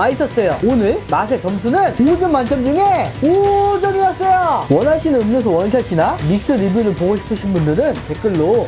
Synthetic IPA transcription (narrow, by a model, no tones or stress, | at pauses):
ais͈ʌs͈ʌjoonɯɭmasʰe̞t͡ɕʌms̬ʰunɯnud͡ʑɯmmant͡ɕ͈ʰʌmd͡ʑuŋe̞od͡ʑʌmiʌs͈ʌjowʌnɦaɕʰinɯɯmɲʌs̬ʰʌwʌnɕʰaɕʰinamik̚s͈ɯɾibjuɾɯɭpoɡoɕʰi̥pʰɯɕʰinbundɯɾɯnpe̞k͈ɯɭːo